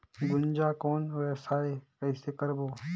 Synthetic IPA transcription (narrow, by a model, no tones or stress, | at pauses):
ɡʊnd͡ʒakɔːnoɛːsaekɛisekɐɾboː